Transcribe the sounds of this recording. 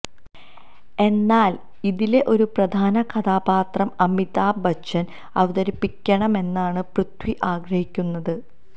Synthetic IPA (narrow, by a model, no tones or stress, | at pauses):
e̞nːaːl | iðile̞ʔo̞ɾuprɐd̪ʱaːnɐkʰɐd̪aːbaːt̪rɐmɐmit̪aːbɐɐn | ɐ̰ʋɐd̪ɐɾipːikʲːɐɳɐme̞nːaːɳɨprut̪wiʔaːɡɾɐhikʲːunːɐðɨ